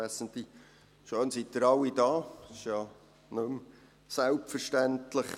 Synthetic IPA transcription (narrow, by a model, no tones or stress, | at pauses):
æsənt̪li | ʃøːnsit̪̚ːəɾɑwidɑːsɪʃjɑ | nɵm | sælpfəɾʃtæntləχ